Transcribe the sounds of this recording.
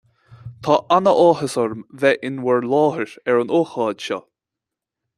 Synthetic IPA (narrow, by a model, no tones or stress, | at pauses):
t̪ʰɑːʔanəʔɔːɦəsɔɹmvɛʔɪnwɛɹlɔːhəɹɛɹənoːxɑːd̪ʃɔ̰